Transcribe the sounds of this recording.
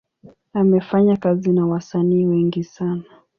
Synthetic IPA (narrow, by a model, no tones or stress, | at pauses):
amɛfaɲakazinawasaniːwɛŋɡisana